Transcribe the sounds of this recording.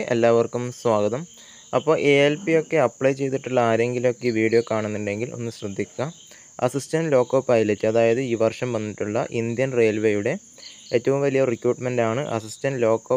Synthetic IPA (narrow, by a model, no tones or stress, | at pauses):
ʔḛlːaːʋɐrkumswaːɡɐðɐm | ɐpːo̞ːʔeelpio̞kːe̞ɐpːɭɐjt͡ɕe̞jt̪ːiʈːuɭːɐaːɾe̞ŋɡilumo̞kːeʋiːɽijo̞ːkaːɳunːuɳɖe̞ŋɡilo̞̰nːɨɕrɐd̪ʱːikʲːɐ | ɐsistɐndlo̞ːkːoːpːaːjilet͡ɕːɨɐðaːjɐðɨiːʋɐrʂɐmʋɐnːiʈːuɭːɐ̰ʔind̪jɐnre̞ːlʋejuɽe̞ | eːtːɐʋumʋɐlijɐrikɾuːʈmɐndaːɳɨʔɐ̰sistɐndlo̞ːkːoː